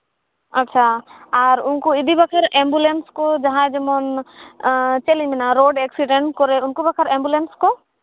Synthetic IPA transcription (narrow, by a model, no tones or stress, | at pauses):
ɐtːʃʰaaɾunkuid̪ʱibakʰaɾɛmbulenskɔd͡ʒaɦãd͡ʒɔmɔn | t͡ʃelimɛnaɾoɖeksiɖeɳʈkɔɾɛunkubakʰəɾɛmbulenskɔ